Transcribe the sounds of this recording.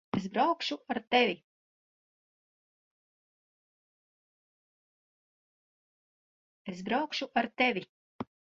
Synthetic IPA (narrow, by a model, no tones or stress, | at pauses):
esbɾawkʃuaɾt̪ɛvʲi | esbɾawkʃuʔaɾt̪ɛvʲi